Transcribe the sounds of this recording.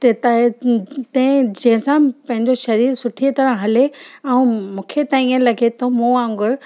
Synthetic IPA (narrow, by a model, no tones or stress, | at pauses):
t̪et̪ | t̪ɛ̃ɪ̃d͡ʑɐ̃ɦɪ̃sãpɐ̃ɦɪ̃ɲd͡ʑoʃɐɾiːɾsʊʈʰit̪ɐɾə̃ɦɐleɛũmũːkʰet̪aːĩə̃lɐɡʱet̪ʰomũãːŋɡʊɾ